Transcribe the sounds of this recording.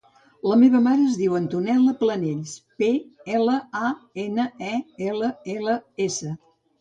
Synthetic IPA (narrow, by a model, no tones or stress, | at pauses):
ləmeβəmaɾəːzðiwənt̪unɛlˠəpləneʎspeɛləaenəɛeləeləesə